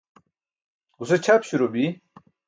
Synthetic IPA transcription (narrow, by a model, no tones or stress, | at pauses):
ɡuset͡ɕʰapɕuɾobi